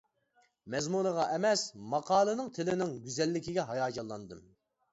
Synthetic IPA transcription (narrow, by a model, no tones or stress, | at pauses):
mɛzmunəʁɑʔɛmɛsmɑqʰɑːlˠɨnɨŋt̪ʰɪlɪnɪŋɡʲyzɛlːɪkʲiɡʲɛɦɑjɑːd͡ʒɑlˠːɑnd̪ɨm